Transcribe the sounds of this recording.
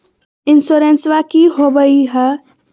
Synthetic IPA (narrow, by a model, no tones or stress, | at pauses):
ɪnsoɾensʋakiɦobəiɦə